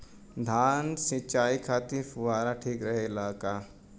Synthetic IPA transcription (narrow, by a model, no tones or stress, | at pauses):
d̪ʱaːnsĩt͡ʃaːikʰaːt̪ifʊʋaːɾaʈʰiːkɾɐɦelaːkaː